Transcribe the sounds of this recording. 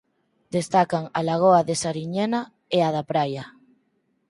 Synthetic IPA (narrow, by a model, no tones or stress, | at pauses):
d̪est̪akaŋalaɣ̞oaðesaɾiɲena | eaðapɾaja